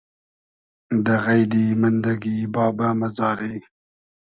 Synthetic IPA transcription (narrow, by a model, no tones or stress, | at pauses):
d̪əɣajd̪imand̪aɡibɑːbamazɑːɾe